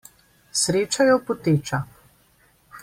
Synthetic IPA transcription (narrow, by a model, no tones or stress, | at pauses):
sɾeːt͡ʃajɔpɔt̪eːt͡ʃa